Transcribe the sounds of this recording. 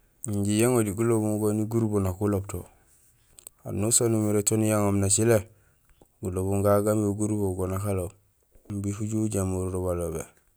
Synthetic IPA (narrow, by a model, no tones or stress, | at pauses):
ɲɟijeŋodiɡulobuŋɡoniɡuɾbonakulobto̰ | a̰nusonumiɾetonijaŋomnat͡ʃile | ɡulobuŋɡaɡamoɡuɾboɡonakalo | mbikuɟuɟamuɾɾoβalobḛ